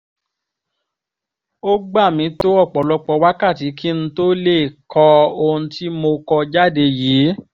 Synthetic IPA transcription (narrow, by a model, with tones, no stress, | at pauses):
o˦ɡ͡ba˦˨mĩ˨˧˦to˦ɔ˦˨k͡pɔ˨lɔ˨˧k͡pɔ˧wa˦ka˦˨ti˨˦ki˦ñ̩˧to˦le˦˨kʰɔ˧o˧ũ˧ti˦mo˧kɔ˧d͡ʒa˦de˧jiː˨˦